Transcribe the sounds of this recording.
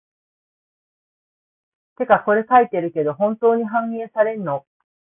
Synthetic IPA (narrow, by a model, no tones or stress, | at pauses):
t̪e̞kako̞ɾe̞kait̪eɾɯ̟ke̞d̪o̞ɦõ̞nt̪o̞ːɲ̟iɦãŋẽːsaɾe̞nno